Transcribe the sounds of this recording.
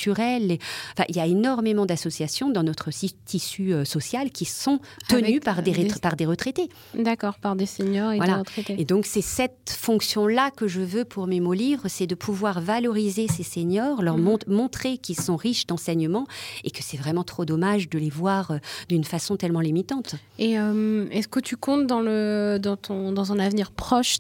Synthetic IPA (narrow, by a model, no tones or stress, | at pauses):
t̪yʁɛlẽfɛ̰̃ʔiljaenɔʁmemɑ̃d̪asɔsjasjɔ̃d̪ɑ̃nɔt̪χəsit̪ʰisyøsɔsjalkʲisɔ̃t̪ənypaʁd̪epaʁd̪eʁət̪χet̪e | d̪akɔʁpaʁd̪eseɲɔʁevwalat̪χet̪eed̪ɔ̃ksɛsɛt̪fɔ̃ksjɔ̃lakəʒəvøpʰuʁmemolivʁəsɛd̪əpʰuvwaʁvalɔʁizeseseɲɔʁlœʁmɔ̃mɔ̃t̪χekʲilsɔ̃ʁiʃd̪ɑ̃sɛɲəmɑ̃ekə̥sɛvʁɛmɑ̃t̪χod̪ɔmaʒd̪əlevwaʁød̪ynfasɔ̃t̪ɛlmɑ̃limit̪ɑ̃t̪eømɛskət̪ʰykɔ̃t̪d̪ɑ̃ləd̪ɑ̃t̪ʰɔ̃d̪ɑ̃zɛ̃navniʁpχɔʃ